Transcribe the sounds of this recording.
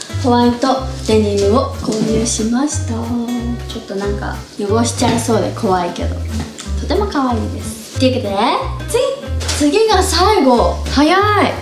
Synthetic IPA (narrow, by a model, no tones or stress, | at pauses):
koβait̪o̞t̪eɲ̟iɯoko̞ːɲʲɯːɕimaɕi̥t̪at͡ɕo̞t̪ːo̞nãŋka̰joɡo̞ɕi̥t͡ɕaiso̞ːd̪e̞̰kʰo̞βaike̞̰d̪o̞̰ | t̪o̞t̪e̞mo̞kaβaiːd̪e̞sɨ̥t̪ʲeikɯt̪enet͡sɨɡʲit͡sɨɡʲiɡasaiɡo̞hajai